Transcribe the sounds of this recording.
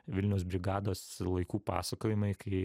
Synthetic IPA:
ʋʲɪlʲnʲɛʊsbʲɾʲɪɡɑːd̪oːslˠɐɪkuːpɑ̰ːsɐkoːjɪmɐɪkɐɪ

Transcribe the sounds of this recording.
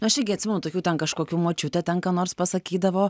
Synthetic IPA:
nʊɐʃʲɪɡʲɪɐt̪ʲsʲɪmɛnuːt̪oːkʲuːt̪ʲɛnkɐʃkoːkʲuːmoːt͡ʃʲʊt̪ʲɛt̪ʲɛŋkɐnoːrspɐsɐkʲiːd̪ɐʋoː

